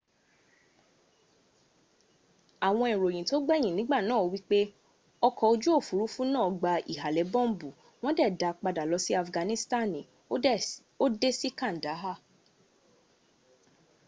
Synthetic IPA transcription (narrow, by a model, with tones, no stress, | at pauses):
a˨w̃ɔ̃˧i˨ɾo˨jĩ˨to˦ɡ͡bɛ˦˨j̃ĩ˨nĩ˨˦ɡ͡ba˦˨nãː˦˨˧wi˦k͡pe˦ | ɔ˧kʰɔ˧o˧d͡ʒu˦o˦˨fu˨˦ɾu˦fũ˦nãː˦˨ɡ͡ba˧i˨ɦa˨lɛ˨˦bɔ̃˦m˦bu˨ | w̃ɔ̃˦dɛ˦˨da˧k͡pa˧da˨lɔ˧si˦a˦˨fɡã˧nĩ˦sta˦˨nĩ˨ | o˦de˦si˦kã˦˨n̩˨da˨˦ɦa˦˨